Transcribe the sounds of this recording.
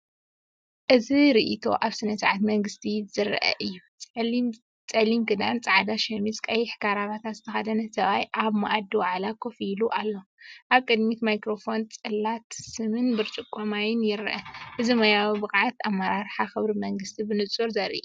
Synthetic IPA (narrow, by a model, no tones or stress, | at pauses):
ʔɨziɾiʔit̪ʰo̞̰ʔaβsɨnɐsʕat̪mɐŋɡɨst̪ʰizɨɾʔɐ̰ʔɨjːu | t͡sʼɐlimɡɨd̪ant͡sʼaʕd̪aʃɐmiskʼɐjɪħkʰaɾaβat̪ʰat̪zɨt̪ʰɐxad̪ɐnɐsɐβajʔaβma̰ʔad̪ːiwaʕlakʰofiluʔalːo̞ʔaβkʼɨd̪mit̪majkɾo̞fo̞nt͡sʼɨlːat̪sɨmɨnbɨɾt͡ʃʼɨkʼːɐmajɪnjɪɾʔɐʔɨzimɐjawbɨkʼʕat̪amːɐɾaɾħaxɨβɾimɐŋɡɨst̪ʰibɨnɨt͡sʼuɾzɐɾi